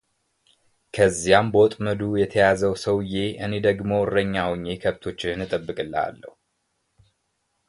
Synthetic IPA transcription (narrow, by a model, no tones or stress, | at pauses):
kʰəzːijambot̪ʼməd̪ujɛt̪ʰəjazəwsəwje̞ʔɨne̞d̪əɡmo̞rəɲːawɲːe̞kʰəβt̪ʰo̞t͡ʃːɪɨnɨt̪ʼəbːɨkʼɨlːa̰lːə̰hu